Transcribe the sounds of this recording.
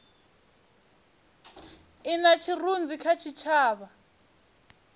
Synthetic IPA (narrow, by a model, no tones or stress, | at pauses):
inat͡ʃʰirund͡zikʰat͡ʃʰit͡ʃʰaːβa